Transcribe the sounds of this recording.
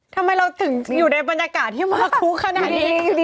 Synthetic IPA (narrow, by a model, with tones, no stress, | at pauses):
t̪ʰa˧mːa˧jɾa˧wt̪ʰɯ˨˩˦ŋ˩juː˨˩da˦˥˩jba˧njaː˧kaː˨˩t̪̚ʰːi˥˩maː˧˩˧kʰuː˦˥kʰa˧na˧˨˩i˦˧